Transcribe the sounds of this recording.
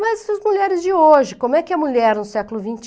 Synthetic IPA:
mɐzɛsɐzmuʎɛɾɪzd͡ʒɪoʒɪkõmʊɛkɪɐmuʎɛɾnʊsɛkʊlʊvĩnt͡ʃ

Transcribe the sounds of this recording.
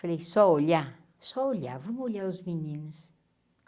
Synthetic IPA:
ɐlejsɔola | sɔolʲavomolʲauzmininus

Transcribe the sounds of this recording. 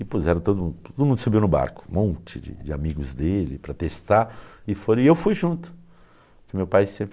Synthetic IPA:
ɪpuzɛɾɐ̃t̪od̪ʊmũt̪od̪ʊmũnd̪ʊsubiwnʊba̰ɾkʊ̥mõnt͡ʃɪd͡ʒɪ̰d͡ʒɪa̰miɡʊzd̪elɪpɾɐt̪est̪aɪfoɾiewfujʒũnt̪ʊ̥ | kɪmewpajsẽmpɾ

